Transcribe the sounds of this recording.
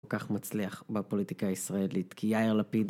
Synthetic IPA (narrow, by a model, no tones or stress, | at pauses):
olkaχmat͡sliaχbapo̞litikaːisʁaelitkʰijaiʁlapid̪